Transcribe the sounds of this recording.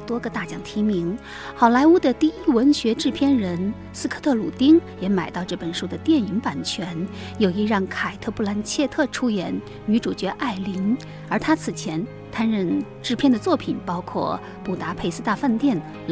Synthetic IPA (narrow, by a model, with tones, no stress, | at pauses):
t̪wɔ˥ɡə˨t̪a˥˩t͡ɕjɑ˨˥˩ŋt̪ʰi˧˥mi˧˥ŋ | xɑ˨˩ʊla˧˥ɪu˥d̪ə˧˩t̪i˥˧˩i˥˩wə˧˥nɕɥɛ˧˥ʈ͡ʂɻ̩˥˧pʰjɛ˥˧nɻə˧˥n | sɹ̩˥kʰɤ˥˧t̪ʰɤ˥˩lu˨˩t̪i˥ŋjɛ˧˥ma˨˩ɪt̪ɑ˥˧ʊʈ͡ʂɤ˥˩pə˨˩nʂu˥d̪ə˨t̪jɛ˥˩ni˧˥ŋpa˨˩nt͡ɕʰɥɛ˧˥n | jo˨˩ʊi˧˥ɻɑ˥˩ŋkʰa˨˩ɪt̪ʰɤ˥˧pʰu˥˩la˧˥nt͡ɕʰjɛ˥˧t̪ʰɤ˥˩ʈ͡ʂʰu˥jɛ˨˩˥n | ny˧˥ʈ͡ʂu˨˩t͡ɕɥɛ˧˥ʔa˥˩ɪli˧˥n | ə˞˧˥t̪ʰa˥t͡sʰɹ̩˨˩t͡ɕʰjɛ˧˥n | t̪ʰa˥˧nɻə˥˧nʈ͡ʂɻ̩˥˧pʰjɛ˥˩nd̪ə˩t͡swɔ˥˩pʰi˨˩npɑ˥ʊkʰwɔ̰˥˩ | pu˨˩t̪a˧˥pʰe˥˧ɪsɹ̩˥˧t̪a˥˧fa˥˧nt̪jɛ˥˩n | l